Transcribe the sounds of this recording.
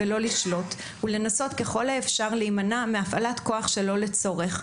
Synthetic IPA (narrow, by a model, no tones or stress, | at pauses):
elo̞liʃlo̞t | ule̞naso̞tke̞χo̞laefʃaʁlejmanameafalatko̞aχʃe̞lo̞le̞t͡so̞ʁe̞χ